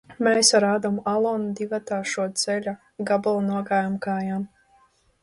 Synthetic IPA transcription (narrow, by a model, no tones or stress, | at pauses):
mɛsaɾaːd̪ɔmalˠɔnud̪ivat̪aːʃuɔt̪sɛlʲa | ɡabulˠnuɔɡaːjamkaːjam